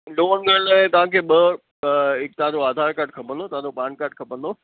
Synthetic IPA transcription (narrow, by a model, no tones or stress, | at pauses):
loːə̃ŋɡəlɛ̃t̪ɐʋ̤ãkʰeːɓɐ | ɪk̚t̪ɐʋãd͡ʑoaːd̪ʱaːɾkaːɾʈ̚kʰɐpə̃nd̪ot̪ɐʋãd͡ʑopaːnkaːɾʈkʰɐpə̃nd̪oː